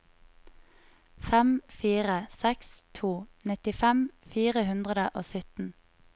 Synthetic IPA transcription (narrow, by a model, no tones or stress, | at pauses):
fɛmfiːʁəsɛkst̪ʰuːnɪt̪ɪfɛmfiːʁəhʉnd̪ʁəd̪əʔoːsʏt̪n̩